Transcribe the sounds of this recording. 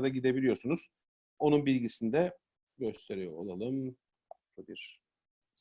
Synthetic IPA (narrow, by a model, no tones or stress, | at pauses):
d̪aɟid̪e̞bilʲijo̞sunuz̥ | o̞nunbilʲɟisind̪ɛ | ɟø̞st̪ʰe̞ɾijoo̰lˠalˠɯm | fak̚lˠabiɾ̥